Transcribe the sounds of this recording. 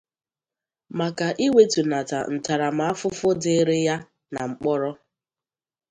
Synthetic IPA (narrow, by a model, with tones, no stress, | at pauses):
ma˨ka˨ʔi˦we˦tu˨na˨ta̰˨n̩˨ta˨ɾa˨m̩˨˦a˦fʊ˦fʊ˦dɪ˦ɾe˦ja˦ | na˨ŋ͡m̩˨k͡pɔ˦ɾɔ˦